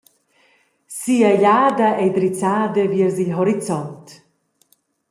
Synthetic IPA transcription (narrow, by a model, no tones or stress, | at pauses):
siaʎaːd̪aʔejd̪ɾit͡saːd̪əviəɾzilɦɔɾit͡sɔnt̪